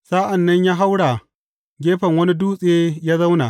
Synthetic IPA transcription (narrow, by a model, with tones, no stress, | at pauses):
saː˦ʔa˨nːɐ˦ɲjaː˦ɦa˦wɽa˨ | ɡʲeː˦ɸɐ˨ŋwɐ˦ni˦duː˦sʼeː˦jaː˦za˦wna˨